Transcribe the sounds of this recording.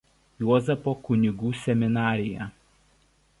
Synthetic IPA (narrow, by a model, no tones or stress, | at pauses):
juɔzʲɛpokʊnʲɪɡuːsʲɛmʲɪnɑːɾʲɪjɛ̰